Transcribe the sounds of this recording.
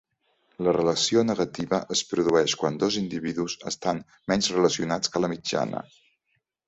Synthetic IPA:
lərələsionəɣət̪iβəʔəspɾuðuɛʃkwand̪ɔzind̪iβiðuzəst̪an | mɛnzrələsiunat͡skələmid͡ʒa̰nə̰

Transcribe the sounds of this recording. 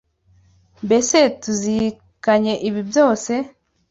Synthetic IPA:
mbe̞se̞tuzi | kaɲe̞ʔiβibjo̞ːse̞

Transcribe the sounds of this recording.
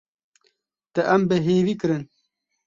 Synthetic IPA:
t̪ɐʔɐmbeɦeːvikɨɾɨn

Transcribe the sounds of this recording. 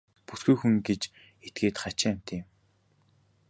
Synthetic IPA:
pusɡujxuŋɡet͡ɕ | et̪̚ɡeːt̪χat͡ɕɪ̆æm̥ʲt̪ʰeːm

